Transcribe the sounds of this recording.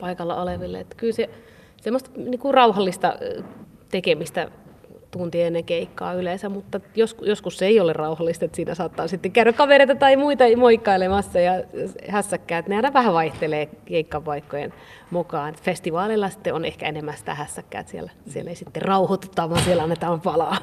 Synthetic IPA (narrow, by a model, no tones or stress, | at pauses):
pɑikɑlːɑ̰oleʋilːḛet̪ːæ̥kylse | semːost̪ɑniːŋkurɑuhɑlːist̪ɑ̰ | t̪ekemist̪æ̰t̪unt̪ieenːekeikːɑ̰ːyleˑnsæmmut̪ːɑjoskjoskusːeiolerrɑuhɑlːist̪et̪siːnæ̰sɑːt̪ːɑːnsit̪ːekæyɾækkɑʋeɾeit̪ɑt̪ɑimuit̪ɑmoikːɑilemɑsːɑjɑhæsːækːæːt̪neɑinɑʋæhæʋɑiht̪eleːkeikːɑpɑikːojḛn | mukɑːnet̪fest̪iʋɑːlilːɑsi̥t̪ːeonehkæ̰enemːæsĭ̥t̪æ̰hæsːækːæ̰ːt̪siḛlæsiḛleisit̪ːerrɑuhot̪ut̪ːɑːʋɑnsielɑnːet̪ɑːmpɑlɑː